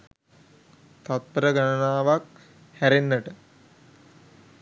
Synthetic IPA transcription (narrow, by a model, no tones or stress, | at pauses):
t̪at̪̚bəɾəɡanənaːʋak | hæɾenːəʈə